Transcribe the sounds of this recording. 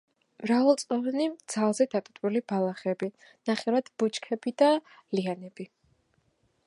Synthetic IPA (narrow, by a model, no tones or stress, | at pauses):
mɾavalˠt̪sʼɔvanid̪z̥alˠzɛd̪at̪ʼut̪ʼulibalˠaχɛbi | naχɛɾad̪̥b̥ut͡ʃʰʼkʰɛbid̪alianɛbi